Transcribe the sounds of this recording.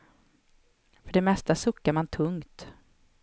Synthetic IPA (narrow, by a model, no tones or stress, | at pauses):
fœɖɛmɛst̪asɵkːaɾmant̪ʰɵŋt̪